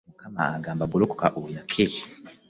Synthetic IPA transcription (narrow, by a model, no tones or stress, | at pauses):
mukʰama̰aɡaːmbabuloko̥kaʔujakʰi